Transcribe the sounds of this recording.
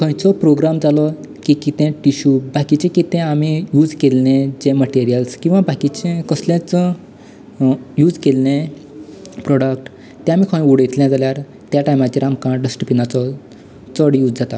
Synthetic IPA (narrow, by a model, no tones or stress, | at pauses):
kʰə̃j̃t͡sɔpɾoɡɾamd͡zalɔ | kikit̪ɛ̃ʈiɕuːbakit͡ɕẽkit̪ɛ̃amijud͡zkelnẽd͡ʑẽməʈiɾijəlskĩw̃ʋabakit͡ɕẽkəsljãt͡sɔ | jud͡zkelnẽ | pɾɔɽək̚ʈ | t̪ɛ̃amikʰə̃juɽet̪ljãd͡zaljaɾ | t̪jaʈajmat͡ɕiɾamkãɖəsʈəpinat͡sɔ | t͡sɔɽjud͡zd͡zat̪a